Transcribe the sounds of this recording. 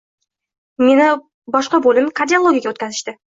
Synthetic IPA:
me̞nɪ | bɒʃqɑbolʲɪmkʰaɾd̪ʲiolˠoɡʲjaɡʲaot̪kʲazɪʃt̪ɪ

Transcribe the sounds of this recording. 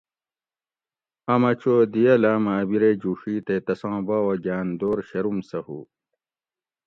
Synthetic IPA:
ɐmɐt͡ɕoːd̪ijɐlaːmaːbiɾed͡ʑuːʂiːt̪et̪ɐsãːbaːwɐɡaːnd̪oːɾɕɐɾumsɐhṵ

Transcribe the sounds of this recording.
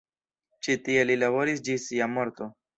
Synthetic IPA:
t͡ʃit̪ielilaboɾis̬d͡ʒisiamoɾt̪o̞

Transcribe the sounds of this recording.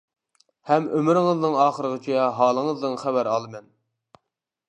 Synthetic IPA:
hɛmømɪɾɪŋəznɨŋɑːχəɾəʁət͡ʃʰijɛɦɑːlˠəŋəzd̪ɨnχæbæɾɑlˠɨmɛn

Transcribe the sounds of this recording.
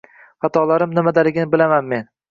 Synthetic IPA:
hɑt̪ʰɒlaɾɪmnɪmad̪alɪɡʲɪnɪbɪlamanme̞n

